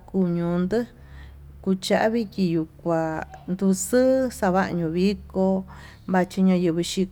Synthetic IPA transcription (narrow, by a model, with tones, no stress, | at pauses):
ku˧˨ɲũ˨nd̪ɨ˦ | ku˧t͡ʃa˧˦ʔa˦βi˦kʲi˧ju˨kʷa˨nd̪u˧sɨ˦sa˧βa˦ʔɲũ˧˨βi˦ko˧ | βa˧t͡ʃi˧ɲã˧jɨ˧βɨ˧ʃi˧